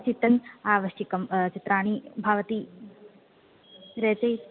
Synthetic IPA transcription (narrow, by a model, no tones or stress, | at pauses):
t͡ʃit̪ɾɐnaːʋɐʃikɐmt͡ʃit̪ɾaːɳ̃ibʱaːʋɐt̪i | ɾeːt͡ʃɐj